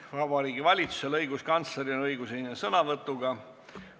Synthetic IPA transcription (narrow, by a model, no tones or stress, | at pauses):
vɑvvɑɾiːɡivɑlʲit̪su̥se̞lɤjɡuskɑnt̪sle̞ɾinɤjɡusenʲːesɤnɑvɤt̪ːˑuɡ̥ɑ